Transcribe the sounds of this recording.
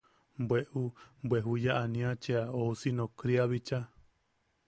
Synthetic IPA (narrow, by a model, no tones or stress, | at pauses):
mbweʔumbweɦujaʔanĩãt͡ʃeaousinõkɾiaβit͡ʃa